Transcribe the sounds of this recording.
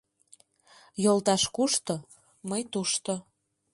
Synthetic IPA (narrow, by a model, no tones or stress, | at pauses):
jolˠt̪ɑʃkuʃt̪o | məjt̪uʃt̪o